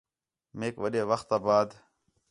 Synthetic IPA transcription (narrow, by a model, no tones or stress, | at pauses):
meːkʋəɗeːʋəxt̪aːbaːd̪